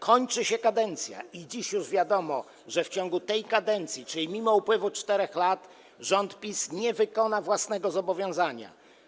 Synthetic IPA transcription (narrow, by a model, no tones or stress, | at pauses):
kʰɔɲt͡ʂɘɕɛkad̪ɛnt̪sʲja̰id͡ʑiɕjuʐvʲjad̪ɔmɔ | ʐɛft͡ɕɔ̃ŋɡut̪ɛjkad̪ɛnt̪sʲjit͡ʂɘlʲimʲimɔupwɘvut͡ʂt̪ɛɾɛxlat̪ | ʐɔnt̪pʲisɲɛvɘkɔnavwasnɛɡɔzɔbɔvʲjɔ̃w̃zaɲa̰